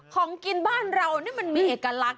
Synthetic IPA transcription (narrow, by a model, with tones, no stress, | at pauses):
kʰɔː˩˦ŋki˧nbaː˥˩nɾa˧wni˦˥˩ma˧nmiː˧ʔeː˨˩kːa˧la˦˥k̚